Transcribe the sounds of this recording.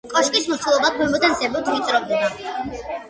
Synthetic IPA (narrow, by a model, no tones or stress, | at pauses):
kʼɔʃkʼismɔt̪sʰulˠɔbak̪ʰwɛmɔt̪ansɛbɔt̪ʰmit̪sʼɾɔbd̪ɛna